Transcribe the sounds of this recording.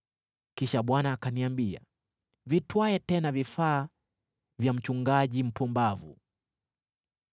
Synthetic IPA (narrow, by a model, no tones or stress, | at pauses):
kiʃaɓwanaːkaniambia̰ | vitwaɛtɛnavifaː | vjam̩t͡ʃuŋɡaʄim̩pumbavu